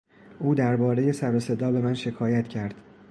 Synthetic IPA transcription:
ʔuːd̪æɾbɒːɾe̞je̞sæɾose̞d̪ɒːbe̞mænʃe̞kʰɒːjæt̪ʰcʰæɾd̪̥

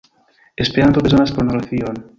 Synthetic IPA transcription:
espeɾant̪okenaspoɾunareθjon

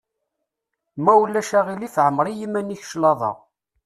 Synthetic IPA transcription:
mæwlːæʃæʁilifʕəmːɾˤijimæniç̥ʃlɑðˤɑ̰ʁ

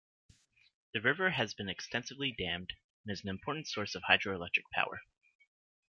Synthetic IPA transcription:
ðɨɹɪvə˞ɨzbɨ̃nɨkstʰɛ̃nsɨvlidæ̃md | nɨzn̩ɨ̃mpʰɔɹʔn̩tsɔɹsʌv̥haɪdɹoəlɛk̚tɹ̥ɨk̚pʰa̰ʊə̰˞

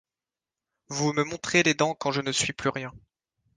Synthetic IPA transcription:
vuməmɔ̃t̪χeled̪ɑ̃kɑ̃ʒənəsɥiplyʁjɛ̃

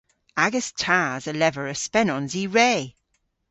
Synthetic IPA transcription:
aɡəstʰaːzəlɛvəɹəspɛnɔnziɹeː

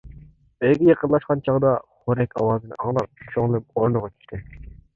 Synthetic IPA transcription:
ejɡʲijeqənlˠɑʃqɑnt͡ʃʰɑʁd̪ɑχoɾɛkʲʰɑ̰wɑːzɨnɨ̰ʔɑŋlˠɑ̰p̚t͡ʃʰoŋlˠɨp̚oɾnɨʁɑt͡ʃʰy̥ʃt̪ʰɪ

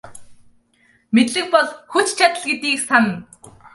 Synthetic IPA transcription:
met̪ɮɘ̆k̚pɔɮxut͡ɕt͡ɕʰat̪ə̆ɮɡet̪iːksanə̆n

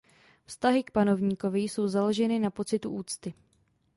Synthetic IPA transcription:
fst̪aɦɪk̚pano̞vɲiːko̞vɪjso̞wzalo̞ʒɛnɪnapo̞t͡sɪt̪uʔuːt͡st̪ɪ

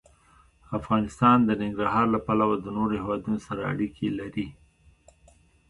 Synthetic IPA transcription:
afɣɑnɪst̪ɑnd̪ənɪŋɡɾaɦɑɾlapalawad̪ənoɾohewɑd̪unosaɾaa̰ɽikʰelaɾi

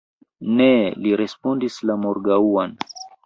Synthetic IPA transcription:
neliɾespondislamoɾɡauan

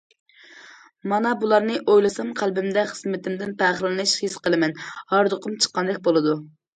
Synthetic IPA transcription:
mɑnɑbulˠɑɾnɨʔojlˠɨsɑmqʰælbɪmd̪ɛχəzmɪt̪ʰɪmd̪ɪnpʰæχlɨnɨʃhisqəlˠɨmɛnhɑɾd̪ʊqʰʊmt͡ʃʰə̥qːɑnd̪ɛk̚ʲbolˠɨd̪u

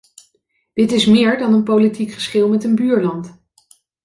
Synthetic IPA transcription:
d̥ɪtɪsmɪːɹdɑnənpowlitikχə̥sχɪlˠmɛtənbyːɹlɑnt

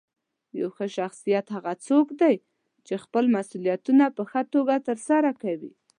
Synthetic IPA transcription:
ja̰wxəʃaxsijat̪haɣat͡sokd̪aj | t͡ʃexpəlmasulijat̪unapəxət̪oɡat̪əɾsaɾakawi

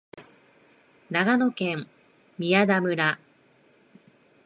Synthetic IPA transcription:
naɡano̞kẽ̞m | mʲiad̪amɯ̟ɾa

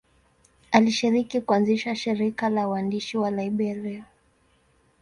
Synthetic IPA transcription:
aliʃiɾikikuanziʃaʃiɾikalawandiʃiwalaiɓɛɾɛɔ

